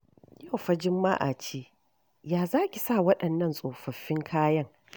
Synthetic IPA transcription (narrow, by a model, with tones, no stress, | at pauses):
ja˦˨wɸɐ˦d͡ʒɪ˦mːa̰ː˦ʔa̰˨t͡ʃeː˦ | jaː˨zaː˦kʲi˨saː˦˨wɐ˦ɗɐ˨nːɐ˦nsʼoː˨ɸɐ˨ɸːɪ˦ŋkʰaː˦jɐ˦ŋ